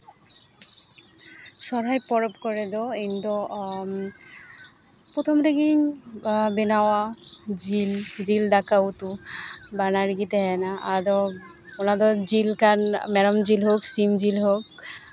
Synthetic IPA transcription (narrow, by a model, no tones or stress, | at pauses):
ʃɔɾajpɔɾɔpkɔɾed̪ɔind̪ɔ | pɾot̪ʰɔmɾeɡiŋ | benawad͡ʑild͡ʑild̪akaut̪ubanaɾɡit̪eɦɛnaʔad̪ɔ | onad̪ɔd͡ʑilkanmɛɾɔmd͡ʑilɦoksimd͡ʑilɦok